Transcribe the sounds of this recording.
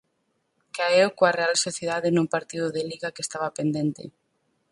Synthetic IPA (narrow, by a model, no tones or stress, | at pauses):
kaewkoarealsoθjeðaðenumpaɾt̪iðʊðeliɣakest̪aβapend̪ent̪ḛ